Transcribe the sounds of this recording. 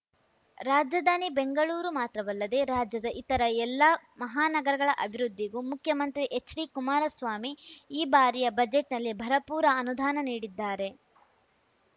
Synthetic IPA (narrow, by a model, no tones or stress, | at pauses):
ɾaːd͡ʒjɐd̪ʱaːnibe̞ŋɡɐɭuːɾumaːt̪ɾɐʋɐlːɐd̪e̞ɾaːd͡ʒjɐd̪ɐʔit̪ɐɾɐɛlːɐmɐɦaːnɐɡɐɾɐɡɐɭɐʔɐbʱiɾud̪ʱːiɡumukʰjɐmɐnt̪ɾiʔet͡ʃːɾikumaːɾɐsʋaːmiːbaːɾijɐbɐd͡ʒeʈnɐlːibʱɐɾɐpuːɾɐːnud̪ʱaːnɐniːɽid̪ːaːɾe̞